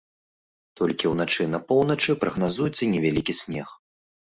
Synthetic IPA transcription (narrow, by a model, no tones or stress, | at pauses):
t̪ɔlʲkʲiwnat͡ʂɨnɐpɔwnɐt͡ʂɨpɾɐɣnazujɛt̪sɐnʲɛvʲalʲikʲisʲnʲɛx